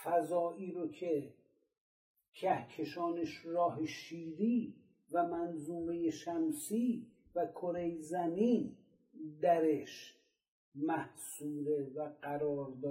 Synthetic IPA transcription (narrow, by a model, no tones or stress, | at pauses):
fæzɒːʔiːɾokʰe̞ | cʰæhkʰe̞ʃɒːneʃɾɒːɦeʃiːɾiː | væmænzuːmejeʃæmsiː | vækʰoɾejzæmiːn | d̪æɾeʃ | mæhsuːɾe̞væɢæɾɒːɾd̪ɒː